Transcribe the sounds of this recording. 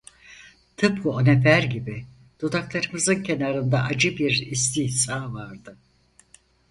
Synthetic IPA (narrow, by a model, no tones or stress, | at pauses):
t̪ʰɯp̚kʰuonepʰæɾɟibi | d̪̥od̪aklˠaɾɯmɯzɯncʰe̞naɾɯnd̪aʔad͡ʒɯbiɾist̪ʰihsaːvaɾd̪ɯ